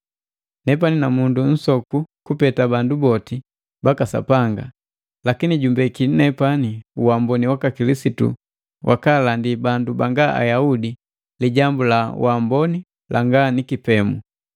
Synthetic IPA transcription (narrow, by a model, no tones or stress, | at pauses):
nɛp̬aninamundun̩sɔkukupɛtabandubɔti | bakasa̰paŋɡa̰ | lakiniɟumbɛkinɛpaniuwambɔniwakakilisitṵ | wʔa̰kalandibandubaŋɡaʔa̰jaudi | liɟambulawʔambɔni | lʔaŋɡanikipɛmu